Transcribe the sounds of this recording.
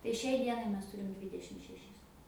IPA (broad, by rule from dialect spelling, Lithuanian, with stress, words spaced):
tɐɪ ˈʃʲɛɪ ˈdʲiɛnɐɪ ˈmʲɛs ˈtuːrʲɪm ˈdʲʋʲiːdʲɛʃʲɪm ʃʲɛˈʃʲɪs